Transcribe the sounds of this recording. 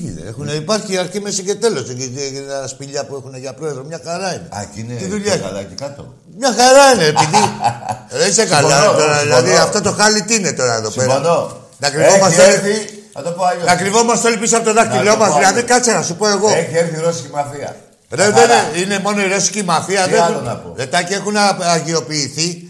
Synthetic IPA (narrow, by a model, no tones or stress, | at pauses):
exuneipaɾçiɐɾcimesice̞t̪e̞lo̞seespiʎɐpuexuneʝɐpɾo̞eðɾomɲɐxaɾɐineɐ̰cinet̪iðuʎalɐcikɐt̪o̰ | mɲɐxaɾɐineːpiði | ɾeisekalɐt̪o̞ɾɐððilðiaft̪ot̪o̞xɐlit̪iine̞t̪o̞ɾɐeðospeɾdo | nɐkɾivomɐst̪olii | ɐ̰t̪opoɐʎonakɾivo̞mɐst̪o̞lipisɐpot̪oðɐkt̪ilo̞mɐsðilɐðikɐt͡seɾɐsupo̞e̞ɣo̞eçieɾθiɾosicimɐfiɐ̰ | ɾeðeneine̞mo̞no̞iɾo̞si̥cimafiɐðeonpoɾet̪ɐcie̞xunɐʝio̞piːθi